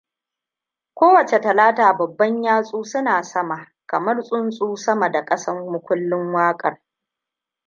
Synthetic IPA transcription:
kʷoː˦wɐ˨t͡ʃe˨tɐ˨laː˦taː˨bɐ˨bːɐ˦ɲjaː˦sʼuː˦sʊ˦naː˨sɐ˦ma˨ | kɐ˨mɐ˦rsʼʊ˦nsʼuː˦sɐ˦mɐ˨da˨kʼɐ˦sɐ˦rmʊ˦kʷʊ˦lːɪ˦ŋwaː˦kʼɐ˨r

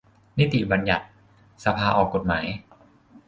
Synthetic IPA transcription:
ni˦˥˩t̪i˨˩ba˧nja˨˩t̪̚ | sa˧pʰaː˧ʔɔː˨˩kːo˨˩t̪̚ma̰ː˩˦j

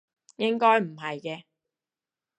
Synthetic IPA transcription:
jɪ˥ŋkɔː˥jm̩˨˩ɦɐ˨jkɛː˧

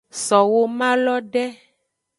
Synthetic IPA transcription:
sɔ˨wo˦mã˦lɔ˦ɖɛ˦

